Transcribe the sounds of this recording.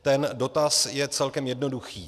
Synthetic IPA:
t̪ɛndo̞t̪asjɛt͡sɛlkɛmjɛdno̞duxiː

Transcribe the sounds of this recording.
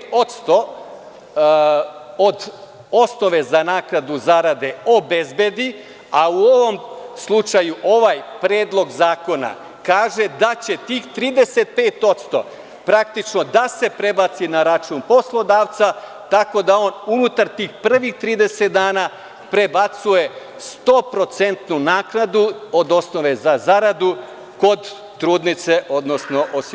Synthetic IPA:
o̞t̪st̪o̞ | od̪ | o̞sno̞ʋe̞zanaːkɾad̪uzaɾad̪e̞o̞bezbe̞d̪i | auoʋo̞mslˠut͡ʃajuʔo̞ʋajpɾeːd̪lˠo̞ɡzaːko̞na̰ | kaːʒe̞d̪at͡ɕe̞t̪iːxt̪ɾiːd̪e̞se̞t̪̚peːt̪o̞t̪st̪o̞̰ | pɾak̚t̪it͡ʃno̞d̪ase̞pɾe̞bat̪sinaɾat͡ʃuːnpo̞slˠo̞d̪aːʋt̪sa | t̪ako̞d̪ao̞ːnunut̪aɾt̪iːxpr̩ʋixt̪ɾiːd̪e̞set̪d̪aːna | pɾe̞bat̪suje̞ | st̪o̞ːpɾo̞t̪se̞nt̪nunaːknad̪uod̪o̞sno̞ʋe̞zazaɾad̪u | ko̞d̪ː | ɾuːd̪nit̪se̞ʔo̞d̪no̞sno̞ʔos

